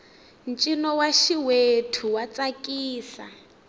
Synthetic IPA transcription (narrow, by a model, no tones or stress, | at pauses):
nt͡ʃʼinɔwaʃiwetʰuwat͡sʼakʼiːsa̰